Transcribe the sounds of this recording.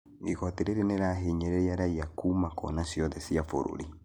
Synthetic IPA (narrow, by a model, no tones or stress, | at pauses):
ikɔteɾeɾenɛɾaɦeɲɛɾɛaɾaiakuːmakɔ̰nasiɔðɛsiafo̰ɾo̰ɾi